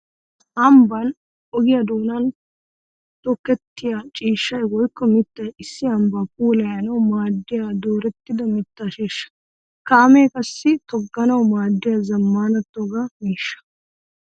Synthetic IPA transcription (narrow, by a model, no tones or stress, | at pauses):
ʔɐmbɐn | ɔɡɪjɐd̪oːnɐn | t̪ɔkːɛt̪ːɪjat͡ʃʼiːʃːɐjwɔjkːɔmɪt̪ːɐjɪsːɪɐmbɐpʼuːlɐjɐnɐwmaːd̪ːɪjad̪oːɾɛt̪ːɪd̪ɐmɪt̪ːaːʃeːʃːɐ̥ | kaːmeːkʼɐsːɪt̪ɔɡːɐnɐwmaːd̪ːɪjazɐmːaːnɐt̪ːoːɡamiːʃːɐ̥